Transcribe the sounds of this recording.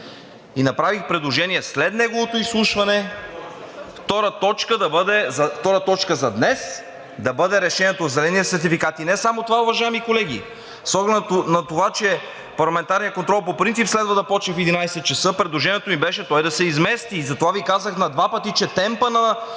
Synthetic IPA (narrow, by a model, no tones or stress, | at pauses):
inɐpɾavixpɾɛd̪lˠoʒɛniɛslɛt̪nɛɡovot̪oislˠuʃvɐnɛ | ft̪ɔɾət̪ɔt͡ʃkəd̪ɐbɤd̪ɛzɐft̪ɔɾət̪ɔt͡ʃkəzɐd̪nɛs | d̪ɐbɤd̪ɛɾɛʃɛnʲiɛt̪ozɛlɛnit̪ɛsɛɾt̪̬ifikat̪inɛsamot̪ovaovɐʒaɛmikolɛɡ̟ḭ | sɔɡlɛd̪nɐt̪ovat͡ʃɛ | pɐɾlˠɐmɛnt̪aɾnijəkont̪ɾɔlˠpopɾint̪sipslɛd̪vəd̪ɐpɔt͡ʃɛfɛd̪inajsɛt̪̚t͡ʃɛsɤpɾɛd̪lˠoʒɛniɛt̪omibɛʃɛt̪ɔjd̪ɐsɛizmɛst̪iːzɐt̪ovavikazəxnɐd̪vapət̪it͡ʃɛt̪ɛmpənɐ